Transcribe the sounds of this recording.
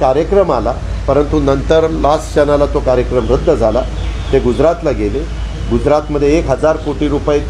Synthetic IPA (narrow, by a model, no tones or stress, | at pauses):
kaɾjəkɾəmala | pəɾənt̪unənt̪əɾlast͡ɕənalat̪okaɾjəkɾəmɾəd̪ʱːəd͡zʱalat̪eɡud͡zɾat̪laɡele | ɡud͡zɾat̪məd̪ʱːjeːkɦəd͡zaɾfoʈiɾupaik